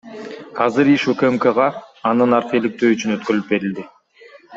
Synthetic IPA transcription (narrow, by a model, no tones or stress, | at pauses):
ɑzɯɾiʃukemkəʁɑːnd̪ɯnɑɾt̪e̞lik̚t̪øːyt͡ʃynøt̪køɾylyp̚be̞ɾild̪ɪ